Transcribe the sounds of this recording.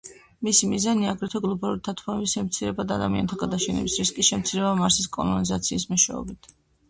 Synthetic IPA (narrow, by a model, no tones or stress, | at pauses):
misimizaniaɡɾɛt̪ʰɔɡlˠɔbalˠuɾit̪ʰat̪ʰanɛbisʃɛmt̪sʰiɾɛbad̪ad̪amiant̪ʰaɡad̪aʃʰɛnɛ̰bisɾiskʼiʃɛmt̪sʰiɾɛbamaɾsiskʼɔ̰lˠɔnizat̪sʰiːsmɛʃwɛ̰ɔ̰bit̪ʰ